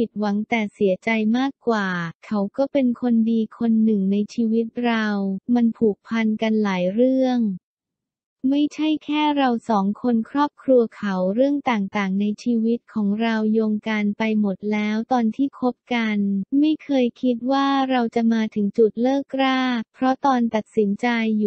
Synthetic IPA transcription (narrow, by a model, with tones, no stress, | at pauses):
pʰi˨˩t̪̚wa˩˦ŋt̪ɛː˨˩si˨˩˦ət͡ɕa˧jmaː˥˩kːwaː˨˩kʰa˦˥wkɔː˥˩pe˧nkʰo˧ndiː˧kʰo˧nːɯ˨˩ŋna˧jt͡ɕʰiː˧wi˦˥t̪̚ɾa˧wma˧npʰuː˨˩k̚pʰa˧nka˧nlaː˩˦jɾɯ˥˩əŋ | ma˥˩jt͡ɕʰa˥˩jkʰɛː˥˩ɾa˧wsɔː˩˦ŋkʰo˧nkʰɾɔː˥˩p̚kʰɾu˧ɐkʰa˩˦wɾɯ˥˩əŋt̪aː˨˩ŋt̪aː˨˩ŋna˧jt͡ɕʰiː˧wi˦˥t̪̚kʰɔː˩˦ŋɾa˧wjoː˧ŋka˧npa˧jmo˨˩t̪̚lɛː˦˥wt̪ɔː˧nt̪ʰiː˥˩kʰo˦˥p̚ka˧nma˥˩jkʰɤː˧jkʰi˦˥t̪̚waː˥˩ɾa˧wt͡ɕa˨˩maː˧t̪ʰɯ˩˦ŋt͡ɕu˨˩t̪̚lɤː˥˩kːɾaː˥˩pʰɾɔ˦˥t̪ɔː˧nt̪a˨˩t̪̚si˩˦nt͡ɕa˧jː